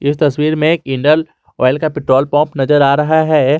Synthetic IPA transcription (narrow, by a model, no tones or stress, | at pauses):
ɪst̪ɐswiːɾmẽːkɪ̃ɳɖəl | o̰ːɪlkapɪʈɾoːlpɔ̃ːmpnɐzəɾaːɾɐɦaɦɛː